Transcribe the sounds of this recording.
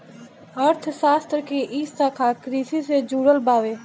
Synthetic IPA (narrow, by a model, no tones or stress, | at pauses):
əɾt̪ʰsaːst̪ɾkeʔiːst̪akʰaːkɾiːsised͡ʒuːɽəlbaːʋeː